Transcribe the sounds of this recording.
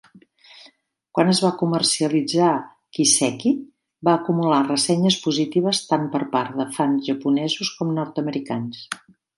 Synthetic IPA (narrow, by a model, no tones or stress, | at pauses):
kwanəzβakumərsiəlid͡za | kisɛki | baəkumularəsɛɲəspuzit̪iβ̞əst̪ampəɾpaɾðəfanzʒəpunɛzuskɔmnɔɾt̪əməɾikans